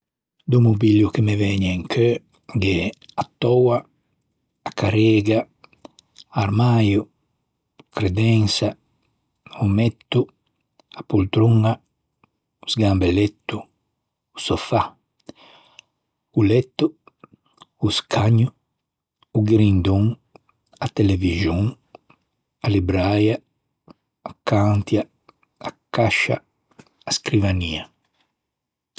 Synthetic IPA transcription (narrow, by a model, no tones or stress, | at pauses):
d̪umubiljukemevɛɲeiŋkʰø | ɡeat̪ɔwa | akaɾeɡa | aɾmaju | kɾed̪ɛŋsa | umɛt̪ːu | apult̪ɾuŋa | usɡambelɛt̪ːu | usofa | ulɛt̪ːu | skʰaɲuː | ɡiɾind̪uŋ | at̪eleviʒjuŋ | alibɾajaː | kaŋt̪jaː | kaʃa̰ː | skɾivania